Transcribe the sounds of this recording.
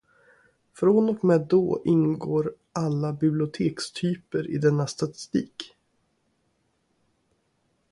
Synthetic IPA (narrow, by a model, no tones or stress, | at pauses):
fɾonɔkmeːd̪o̰ːʔɪnɡoːɾ | ʔalːabɪblɪʊt̪ʰeːkst̪ʰyːpəɾɪ̰d̪ɛnːast̪at̪ɪ̥st̪iːk